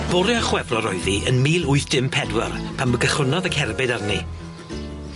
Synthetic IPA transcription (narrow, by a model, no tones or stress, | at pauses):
b̥ʊɾɨaχwɛvrɔɾɔɨðiʔənmiːlˠʊɨθd̥ɪmpʰɛdwə̰rpʰaməɡəχʊnɔðəɡhɛrbɨdarni